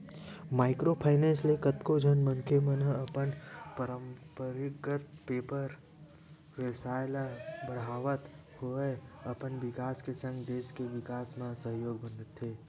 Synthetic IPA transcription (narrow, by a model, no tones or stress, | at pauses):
maːɪkɾopʰaːɪnẽːnslekət̪kod͡ʒʱənmənkʰemənɦəpənpəɾəmpəɾɪɡət̪̚peːpəɾ | ʋeːsaːlabəɽ̤aːʋət̪ | hoeəpənʋɪkaːskesə̃ŋɡd̪eːskeʋɪkaːsmasəɦjoːɡ̚bə̃nd̪ət̪ɦeː